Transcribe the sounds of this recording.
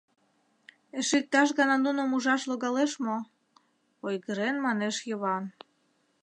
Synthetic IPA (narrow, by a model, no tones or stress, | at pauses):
eʃik̚t̪ɑʃ̬ɣɑnɑnunomuʒɑʃloɣɑleʃmo | ojɣəɾenmɑneʃjəβɑn